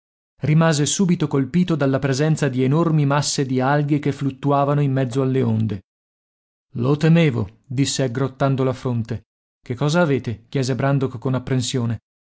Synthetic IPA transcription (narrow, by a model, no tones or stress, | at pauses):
rimaːzesuːbit̪okolpiːt̪od̪alːapɾezɛnt̪sad̪ienormimasːed̪ialɡekeflut̪ːuaːvanoimːɛd̪zːoalːeond̪e | lot̪emeːvo̰ | d̪isːeaɡɾot̪ːand̪olafɾont̪e | kekːɔːzaːveːt̪ekjɛːzebɾand̪okːonapːɾensjoːne